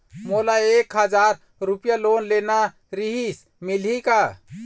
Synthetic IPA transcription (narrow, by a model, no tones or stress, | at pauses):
molaekɦəd͡ʒaɾ | ɾupjalonlena | ɾiɦis | milɦika